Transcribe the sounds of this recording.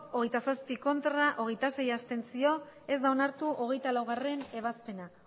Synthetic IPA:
o̞ɣe̞jt̪asaspiko̞nt̪ɾaʔo̞ɣe̞jt̪ase̞jast̪e̞nsio̞ | e̞zd̪aonaɾt̪uʔo̞ɣe̞jt̪alawɣ̞are̞ne̞β̞aspe̞na

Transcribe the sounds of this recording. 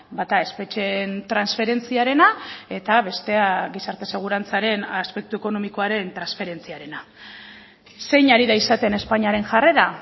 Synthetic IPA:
bat̪ae̞spe̞t͡ʃent̪ɾansfe̞ɾe̞nt͡siaɾe̞nae̞t̪aβe̞st̪e̞aɣisaɾt̪e̞se̞ɣ̞uɾant͡saɾe̞naspe̞k̚t̪ue̞ko̞no̞miko̞aɾe̞nt̪ɾansfe̞ɾe̞nt͡siaɾe̞na | se̞jɲaɾiðaisat̪e̞ne̞spaɲiaɾe̞nʝareða

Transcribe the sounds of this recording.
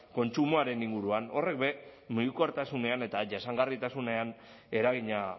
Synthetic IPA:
ko̞nt͡ʃumoaɾe̞niŋɡuɾuano̞re̞k̚be̞muɣikuaɾt̪asune̞ane̞t̪aʝasaŋɡarit̪asune̞an | e̞ɾaɣiɲa

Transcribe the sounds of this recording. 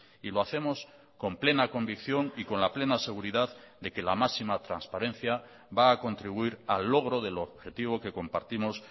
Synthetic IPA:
iloaθe̞mo̞s | ko̞mple̞nako̞mbikθjo̞ŋiko̞nlaple̞nase̞ɣ̞uɾiðað | d̪e̞ke̞lamasimat̪ɾanspaɾẽ̞n̟θja | βaːko̞nt̪ɾiβuiɾalːo̞ɣ̞ɾo̞ðe̞lo̞βxe̞t̪iβ̞o̞ke̞ko̞mpa̰ɾt̪imo̞s

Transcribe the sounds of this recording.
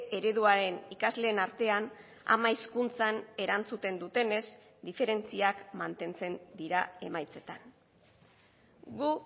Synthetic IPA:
e̞ɾe̞ðuaɾe̞nikazle̞ːnaɾt̪e̞an | a̰maiskunt͡sane̞ɾant͡sut̪e̞nd̪ut̪e̞ne̞z | d̪ife̞ɾe̞nt͡siakmant̪e̞nt͡se̞nd̪iɾae̞majt͡se̞t̪an | ɡu

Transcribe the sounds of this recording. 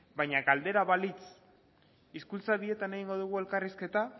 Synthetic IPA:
bajɲaɣald̪e̞ɾaβalit͡s | iskult͡saβie̞t̪ane̞ɣ̞iŋɡo̞ðuɣ̞ue̞lkariske̞t̪a

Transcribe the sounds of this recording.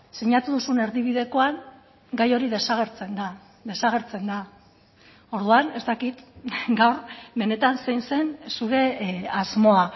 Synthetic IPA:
siɲat̪uðusune̞ɾðiβ̞iðe̞ko̞aŋ | ɡajo̞ɾiðe̞saɣ̞e̞ɾt͡se̞nd̪a | d̪e̞saɣ̞e̞ɾt͡se̞nd̪a | o̞ɾðuane̞st̪akit̪ɡawɾbe̞ne̞t̪anse̞jnse̞nsuɾe̞azmo̞a

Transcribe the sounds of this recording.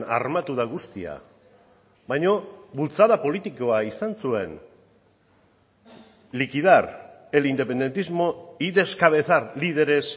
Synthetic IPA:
na̰rmat̪uðaɣust̪ia̰ | βajɲo̞βult͡saðapo̞lit̪iko̞aisansue̞n | likiðarelind̪e̞pe̞nd̪e̞nt̪izmo̞iðe̞skaβ̞e̞θaɾlið̞e̞ɾe̞s

